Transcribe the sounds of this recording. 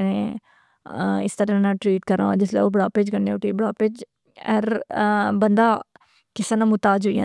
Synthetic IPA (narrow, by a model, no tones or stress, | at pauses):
nẽ | ɪst̪əɾãnãːʈɾiːʈkəɾãd͡ʒɪslḛːobɽaːpeːd͡ʒkəɾnẽoʈiːbəɽaːpeːd͡ʒ | ɛɾbənd̪aː | kɪsanãːmʊt̪aːd͡ʒʊijã̰ː